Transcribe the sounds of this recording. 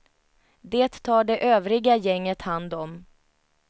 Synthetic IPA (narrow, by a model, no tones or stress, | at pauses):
d̪eːt̪ʰːɑːɖɛʔøːvɾɪɡajɛŋːət̪hand̪ɔm